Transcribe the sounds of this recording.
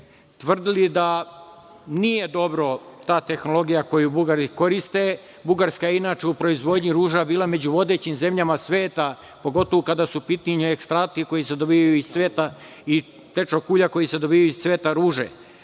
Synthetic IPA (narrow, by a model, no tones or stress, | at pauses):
t̪ʋr̩d̪ilid̪a | nijed̪o̞bɾo̞t̪aːt̪e̞xno̞lˠo̞ɡijako̞jubuɡaɾiko̞ɾist̪e | buɡaɾskajeinaːt͡ʃeupɾo̞izʋo̞d̪ɲiɾuːʒabiːlˠame̞d͡ʑuʋo̞d̪e̞ːt͡ɕimze̞mʎamasʋeːt̪a | po̞ɡo̞t̪oʋokad̪asupit̪niɲuekst̪ɾaːt̪iko̞jised̪o̞biajuisʋeːt̪a | i | t̪et͡ʃokuːʎako̞jise̞d̪o̞biːjajuissʋe̞ːt̪aɾuːʒḛ